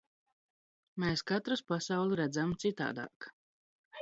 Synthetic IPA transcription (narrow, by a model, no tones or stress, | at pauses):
mɛːskat̪ɾuspasawlˠuɾæd̪zamt̪sit̪a̰ːd̪a̰ːk